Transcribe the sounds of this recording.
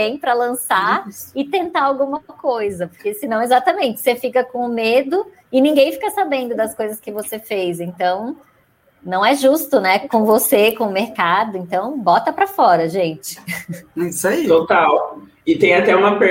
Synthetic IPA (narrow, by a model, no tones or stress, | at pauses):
ẽj̃pɾɐlɐ̃saɪt̪ẽnt̪aawɡũmɐkojzɐpoɾkesɪnɐ̃w̃ezat̪ɐmẽnt͡ʃɪ̥sefikɐkõʊmed̪ʊ | ɪnĩŋɡẽj̃fi̥kɐsabẽnd̪ʊd̪ɐskojzɐskɪvosefejzẽnt̪ɐ̃w̃ | nɐ̃w̃ɛʒust̪ʊnɛkõvosekõʊmeɾkad̪ʊẽnt̪ɐ̃w̃bɔt̪ɐpɾɐfɔɾɐʒẽnt͡ʃɪ̥ | isait̪ot̪aw | ɪt̪ẽj̃at̪ɛũmɐpe